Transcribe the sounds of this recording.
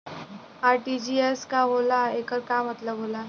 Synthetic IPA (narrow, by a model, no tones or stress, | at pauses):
aɾʈid͡ʑieskaɦolaekəɾkamət̪ləbɦola